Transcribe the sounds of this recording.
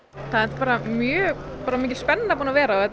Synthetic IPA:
θaðɛnt̪ɪ̥paːɾamjœːpaːɾamɪːc̬ɪ̥spɛnːnapuːnavɛːɾaɔɛt̪

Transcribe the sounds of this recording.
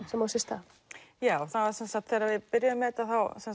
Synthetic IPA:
sɛmasɪst̪a | jaːwɔɣθavaɾ̥sɛnsat̪θɛːɾaɾvɪðpɪɾjaʏmːɛðɛt̪ːaθawsɛn

